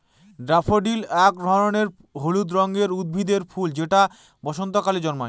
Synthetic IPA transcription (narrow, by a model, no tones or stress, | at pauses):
ɖɾapʰoɖilɛk̚d̪ʱɔɾoneɾ | ɦolud̪ɾɔŋɡeɾud̪̚bʱid̪eɾfuld͡ʑeʈa | bɔʃont̪okalid͡ʑɔnmoe